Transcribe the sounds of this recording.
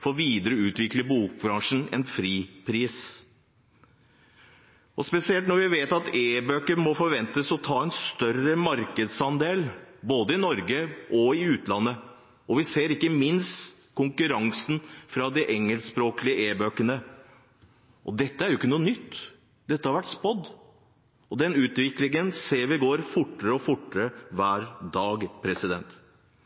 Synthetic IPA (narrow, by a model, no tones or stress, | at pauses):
fɔɾʋiːd̪əɾəʉːt̪ʋɪkləbuːk̚bɾɑŋʂn̩ɛ̰nfɾiːpʰɾiːs | ɔspɛsɪɛlt̪nɔɾʋɪʋeːt̪ɑt̪eːbøːkəɾmɔfɔɾʋɛnt̪əsɔt̪ʰɑːɛnst̪œrəmɑɾkəd̪sɑnd̪eːlboːd̪əɪnɔɾɡəʔɔɪʉːt̪lɑnːə | ɔʋɪseːɾɪkːəmɪnstt̪ | kʰʊŋkʉɾɑŋsn̩fɾɑd̪ɪʔɛŋːəlsspɾoːklɪəʔeːbøːkənə | ʔɔd̪ɛt̪ːəæɾjʊɪkːənuːənʏt̪ː | d̪ɛt̪ːəhɑɾʋæʈːspɔd̪ː | ɔd̪ɛnʉːt̪ʋɪklɪŋənseːɾʋɪɡoːɾfʊʈːəɾəɔfʊʈːəɾəʋæːɾd̪ɑːɡpʰɾɛsɪd̪ɛ̰nt̪